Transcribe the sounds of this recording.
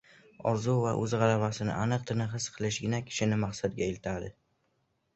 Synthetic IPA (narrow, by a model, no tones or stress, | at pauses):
ɒɾzuvaʔɵzʁɑlabasɪnɪ̰ʔanɨq̚t̪ʰɪnɪɦɨsqʰɨlˠɪʃɡʲɪnakʲʰɪ̥ʃɪnɪmaχsad̪̚ɡʲaelɪt̪ʰad̪ɪ